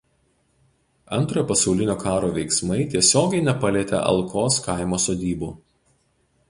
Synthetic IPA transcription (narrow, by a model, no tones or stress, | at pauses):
ɐnt̪ɾoːjpɐsɐʊlʲɪnʲoːkʰɑːɾoːʋʲɛɪksmɐɪt̪ʲiɛsʲoːɡʲɛɪnʲɛpɐlʲiːt̪ʲɛ̰ʔɐ̰lˠkʰoːskɐˑɪmoːsoːd̪ʲiːbuː